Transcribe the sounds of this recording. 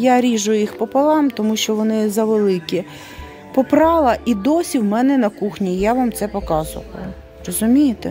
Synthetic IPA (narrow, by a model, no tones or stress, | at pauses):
jaɾʲiʒʊjjixpɔpɐlˠɑmt̪ɔmuʃt͡ʃɔʋɔnɪzɐʋelˠɪkʲi | pɔpɾɑlˠɐʔid̪ɔsʲiwmɛnɛnɐkuxnʲijaʋɑmt̪sɛpɔkɑzʊ̰ʋɐ̰ʊ | rɔzʊmʲijɪt̪ɛ̰